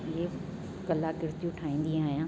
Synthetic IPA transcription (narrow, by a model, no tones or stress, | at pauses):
ɦe | kɐlakɪɾt̪ijũʈʰaːĩːn̆d̪ĩaːɦijãː